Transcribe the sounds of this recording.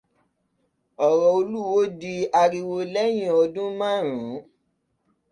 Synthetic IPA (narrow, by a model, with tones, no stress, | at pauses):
ɔ˨ɾɔ˧o˧lu˦wo˨˦di˧a˧ɾi˧wo˧lɛ˦j̃ĩ˧˨ɔ˧dũ˦mãː˦˨ɾ̃ũ˨˦